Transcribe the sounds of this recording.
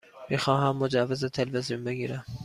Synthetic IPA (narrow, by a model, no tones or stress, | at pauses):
mixɒːɦæmːod͡ʒavːezet̪ʰelvezijunbeɡʲiɾæm